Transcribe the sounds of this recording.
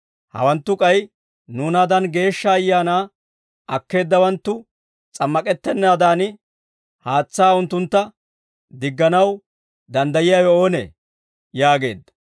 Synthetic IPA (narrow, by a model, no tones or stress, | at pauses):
hɐ̰wɐnt̪ːʊkʼɐj | nuːnaːd̪ɐnɡe̞ːʃːɐːjːaːnaː | ʔɐkːe̞ːd̪ːɐwɐnt̪ːʊ | t͡sʼɐmːɐkʼɛt̪ːɛnːaːd̪aːnɪ | haːt͡sːaːʊnt̪ːʊnt̪ːɐ | d̪ɪɡːɐnɐw | d̪ɐnd̪ɐjɪjajɔo̞ːnḛ | jaːɡe̞̰ːd̪ːɐ̥